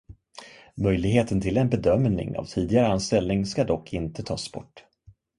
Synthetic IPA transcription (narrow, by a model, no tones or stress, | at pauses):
mœjlɪɡɦeːt̪ənt̪ʰɪlɛnbɛd̪œmnɪ̰ŋa̰vt̪ʰiːd̪ɪɡaɾəanst̪ɛlnɪŋskad̪ɔkʰːɪnt̪ət̪ʰɑːsb̥ɔ̰ʈː